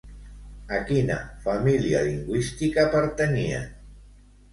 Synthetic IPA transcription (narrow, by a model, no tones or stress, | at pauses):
akina̰familia̰liŋɡwist̪ikapəɾt̪enia̰